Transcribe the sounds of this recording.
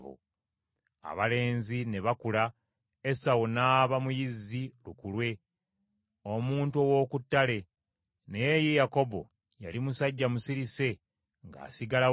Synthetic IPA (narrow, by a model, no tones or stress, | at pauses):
vṵ | a̰βale̞ːnzine̞βakula | esawunaːβamujizːilukulwe̞ | o̞muːntuo̞wo̞ːkutːale̞ | nejejako̞bo̰ | ja̰limusaɟːamusiɾise̞ | ŋɡa̰ːsiɡala